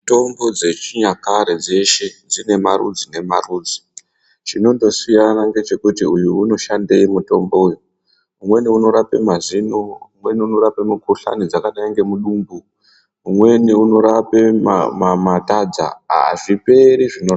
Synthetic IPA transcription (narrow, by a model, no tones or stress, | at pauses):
to̞mbo̞d͡ze̞t͡ʃiɲakaɾed͡ze̞ʃe̞d͡zine̞marṵd͡zine̞maruːd͡zi̥ | t͡ʃino̞ndo̞sijanaŋɡe̞t͡ʃe̞kutiujuːno̞ʃande̞imuto̞mbo̞uju | umwe̞niuno̞ɾape̞̰mazinoumwe̞niuno̞ɾapemukuɬa̰nid͡zakanaiŋɡe̞muɗuːmbu | umwe̞niuno̞ɾape̞̰mamatad͡za̰a̰ʐipe̞ɾiʐinoa